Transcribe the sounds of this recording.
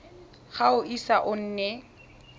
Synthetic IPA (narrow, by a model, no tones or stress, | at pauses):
χaʊʔisaʔʊn̩ːnɛ